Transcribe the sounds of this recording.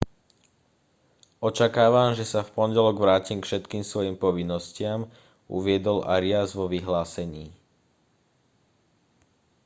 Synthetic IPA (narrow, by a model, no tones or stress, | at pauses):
ɔt͡ʃakaːʋamʒɛsafpɔnɟɛlɔɡʋɾaːcimkfʃɛt̪kiːmsʋɔjiːmpɔʋinːɔscɪam | ṵʋɪɛd̪ɔla̰ɾiazʋɔʋiɦlaːsɛɲiː